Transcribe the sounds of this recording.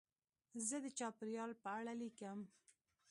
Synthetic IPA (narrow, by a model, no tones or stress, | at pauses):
zəd̪ət͡ʃɑpɪɾjɑlpəaɽalikəm